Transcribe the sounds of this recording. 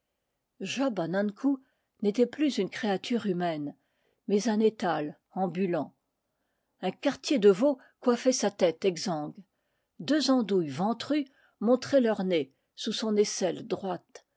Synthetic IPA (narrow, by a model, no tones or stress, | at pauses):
ʒɔbanãnkʰu | net̪ɛplyzynkχeat̪ʰyʁymɛn | mɛzɛ̃net̪al | ɑ̃bylɑ̃ | ɛ̃kaʁt̪jed̪əvo | kwafɛsat̪ɛt̪ɛɡzɑ̃ɡ | d̪øzɑ̃d̪ujvɑ̃t̪χy | mɔ̃t̪χɛlœʁne | susɔ̃nesɛld̪ʁwat̪